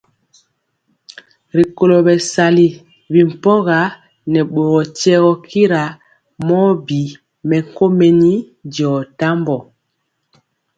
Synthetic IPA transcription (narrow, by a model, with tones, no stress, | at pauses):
ɾi˨ko˨lo˨bɛ˨sa˨li˦ | bi˨m̩˨pɔ˦ɣa˨˦ | nɛ˨ɓo˨ɣɔ˨tɛ˦ɣɔ˦kʰi˦ɾa˨ | mɔ˦bi˨ | mɛ˨ŋ˨ko˦me˨ni˦ | dɔ˨ta˦mbɔ˨